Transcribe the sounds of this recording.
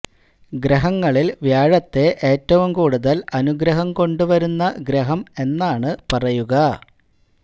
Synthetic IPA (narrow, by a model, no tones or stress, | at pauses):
ɡɾɐɦɐŋːɐɭilʋjaːɻɐt̪ːe̞ʔe̞ːtːɐʋumkuːɽuðɐlɐnuɡɾɐɦɐmko̞ɳɖuʋɐɾunːɐɡɾɐɦɐme̞nːaːɳɨpɐrɐjuɣɐ